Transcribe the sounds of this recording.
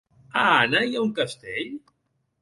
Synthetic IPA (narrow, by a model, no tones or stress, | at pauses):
anajauŋkast̪eʎ